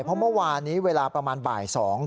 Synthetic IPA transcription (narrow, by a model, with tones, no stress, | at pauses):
pʰɔ˦˥mɯ˥˩˨waː˧nːiː˦˥weː˧laː˧pɾa˧maː˧nba̰ː˨˩jsɔː˩˦ŋ